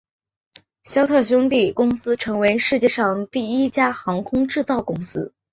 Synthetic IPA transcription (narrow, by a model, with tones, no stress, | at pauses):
ɕjɑ˥ʊt̪ʰɤ˥˩ɕ̬jʊ˥ŋt̪i˥˩kʊ˥ŋsɹ̩˥ʈ͡ʂʰɤ˧˥ŋwe˧˥ɪʂɻ̩˥˧t͡ɕjɛ˥˧ʂɑ˥˧ŋt̪i˥˩i˥t͡ɕja˥xɑ˧˥ŋkʰʊ˥ŋʈ͡ʂɻ̩˥˧t͡sɑ˥˩ʊkʊ˥ŋsɹ̩˥